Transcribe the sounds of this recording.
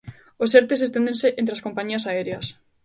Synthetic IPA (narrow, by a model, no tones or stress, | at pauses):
oseɾt̪es̬est̪ẽnd̪ẽnseʔent̪ɾeaskompaɲiɐsaeɾeɐs